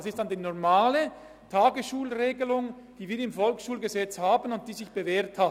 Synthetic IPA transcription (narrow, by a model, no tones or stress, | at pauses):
sɪstd̥andiːnɔʁmaːlə | tʰaːɡəsʃuːlʁeːɡəlʊŋ | d̥iːviːɐɪmfɔlksʃuːlɡəzɛt͡shaːbənʊnt̚d̥iːzɪçb̥əveːɐtha